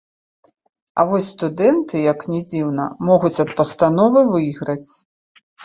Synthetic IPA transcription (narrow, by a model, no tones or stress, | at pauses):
ɐ̰vɔsʲst̪ud̪ɛnt̪ɨjɐknʲɛd͡zʲiwnɐ̰mɔɣut͡sʲɐt̪̚pɐst̪anɔvɨvɨjiɣɾɐt͡sʲ